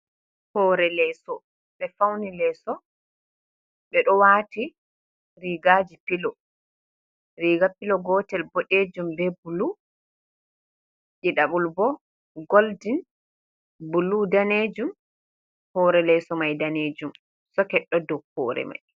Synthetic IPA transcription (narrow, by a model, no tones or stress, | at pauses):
hɔːɾɛlɛsɔ | ɓɛfawnilɛsɔ | ɓɛɗɔwati | ɾiɡaːd͡ʒipilɔ | ɾiɡapilɔɡɔːtɛlbɔɗed͡ʒumbɛbulu | ʔiɗaɓulbɔ | ɡoldin | buludaned͡ʒum | hɔːɾɛlɛsɔmajdaneːd͡ʒum | sɔkɛɗːɔdɔhɔ̰ːɾɛ̰ma̰j